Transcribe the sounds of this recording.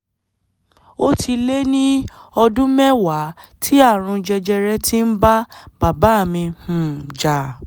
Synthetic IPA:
o˦tʰi˧le˦nĩ˦ɔ˧dũ˦mɛ˦wa˨˦tʰi˦a˦˨ɾ̃ũ˧d͡ʒɛ˧d͡ʒɛ˧ɾɛ˦ti˦n̩˦ba˦b̥a˨ba˨˦˨mĩ˧hũ˨d͡ʒa˨

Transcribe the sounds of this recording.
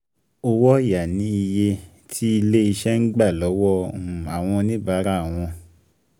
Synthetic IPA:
o˧wɔ˦˨ja˨nĩ˨˦i˧je˧ | tʰi˦i˧le˦i˧ʃɛ˦ŋ̩˦ɡ͡ba˦˨lɔ˨˦wɔ˦˨m˨a˨w̃ɔ̃˧nĩ˦ba˨˦ɾa˦a˨w̃ɔ̃˧

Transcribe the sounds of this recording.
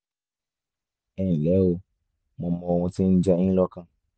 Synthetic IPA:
ɛ˨n̩˨lɛ˨˦o˧ | mɔ̃˧mɔ̃˧wũ˧ti˦n̩˦d͡ʒa˧ĩ˦lɔ˧kã˧

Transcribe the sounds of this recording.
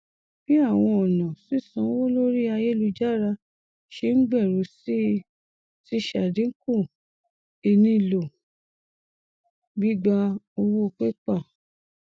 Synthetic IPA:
b̥i˦a˦˨w̃ɔ̃˧ɔ˨nã˨si˦˨sã˨˦wo˦lo˦ɾi˦a˧je˦lu˧d͡ʒa˦˨ɾa˧ | ʃe˧˦ŋ̩˦ɡ͡bɛ˦˨ɾu˨˦si˦ | ti˦ʃa˨dĩ˨˦ku˦˨ | e˧nĩ˧˦˧lo˨ | bi˦ɡ͡ba˦o˧wo˦˧k͡pe˦k͡pa˦˨

